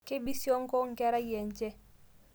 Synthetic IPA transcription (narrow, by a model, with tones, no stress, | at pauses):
ke˦bi˦si˦o˦ŋ˦kɔ˦ŋ̩˨kɛ˦ɾa˦jɛ˨ɲ˨t͡ʃe˦